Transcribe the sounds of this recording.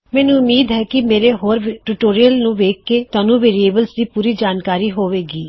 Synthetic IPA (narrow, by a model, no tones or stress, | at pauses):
mɛ̃ːnũʊmːiːd̪ɦɛkimeːɾeɦoːɾʈuːʈoːɾijəlnũʋeːkːet̪aːnũʋeːɾieːbəlsd̪iːpuːɾid͡ʒaːnkaːɾiɦoːʋeːɡiː